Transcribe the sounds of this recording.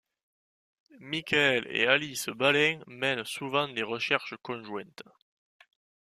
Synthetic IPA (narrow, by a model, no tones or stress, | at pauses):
mikaɛlḛalisəbalɛ̃mɛnsuvɑ̃d̪eʁəʃɛʁʃəkɔ̃ʒwɛ̃nt̪